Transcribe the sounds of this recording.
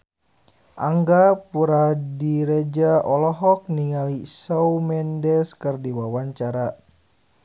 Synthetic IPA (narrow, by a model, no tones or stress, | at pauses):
ʔaŋɡapuɾadiɾed͡ʒaɔlɔɦɔk̚niŋalisawmɛndɛskɨrdiwawaɲt͡ʃaɾa